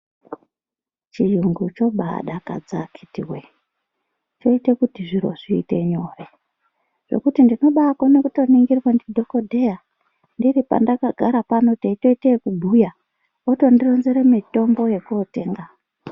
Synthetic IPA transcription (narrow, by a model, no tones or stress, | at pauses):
t͡ʃijuŋɡut͡ʃo̞ɓa̰ɗaka̰d͡zakʰi̥tiwe | t͡ʃo̞itekutiʐiɾo̞̰ʐiːte̞̰ɲo̞ːre̞ | ʐ̥e̞̰kutindino̞ɓakwone̞kuto̞niŋɡirwandidʱo̞kodʱe̞ja | ndiripa̰ndakaɡʱaɾapanoteito̞itekubʱuja | oto̞ndiro̞nzeɾemito̞mbo̞je̞kuote̞ːŋɡa